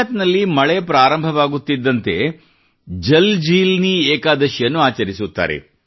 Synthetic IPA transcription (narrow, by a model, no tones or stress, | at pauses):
t̪nɐlːimɐɭepɾaːɾɐmbʱɐʋaːɡut̪ːid̪ːɐnt̪e̞ | d͡ʒɐld͡ʒiːlnieːkaːd̪ɐʃjɐnːuaːt͡ʃɐɾisut̪ːa̰ːɾḛ